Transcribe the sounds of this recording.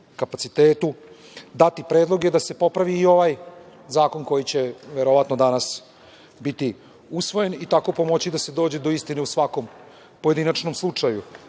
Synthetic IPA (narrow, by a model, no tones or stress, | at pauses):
kapat̪sit̪eːt̪u | d̪at̪ipɾeːd̪lˠo̞ɡed̪ase̞po̞pɾaʋiːo̞ʋajzaːko̞nko̞jit͡ɕe̞ʋeɾoʋat̪no̞d̪anas | bit̪i | usʋo̞je̞nit̪ako̞po̞mo̞t͡ɕid̪ase̞d̪oːd͡ʑed̪o̞ist̪ineusʋakom | po̞je̞d̪inat͡ʃno̞mslˠut͡ʂaju